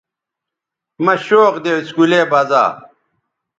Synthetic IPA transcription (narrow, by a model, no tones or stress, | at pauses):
mɐɕoːqd̪eskuleːbɐza̰ː